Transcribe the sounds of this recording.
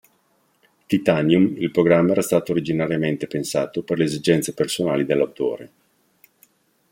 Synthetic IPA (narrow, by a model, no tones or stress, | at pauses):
t̪it̪anjumilpɾoɡɾamːaɛːɾast̪aːt̪oːɾid͡ʒinaɾjament̪epensaːt̪operleːzid͡ʒɛnt̪sepersonaːlid̪elːawt̪o̰ːɾe